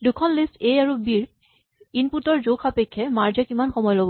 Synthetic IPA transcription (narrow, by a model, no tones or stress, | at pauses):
dukʰɔnlisteaɹubiɹ | inputɔɹzokʰapekʰːɛmaɹd͡ʒakimanxɔmɔjlobɔ